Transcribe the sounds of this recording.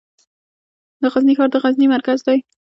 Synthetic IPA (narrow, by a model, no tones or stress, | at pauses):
d̪əɣaznixɑɾd̪əɣaznimaɾkazd̪aj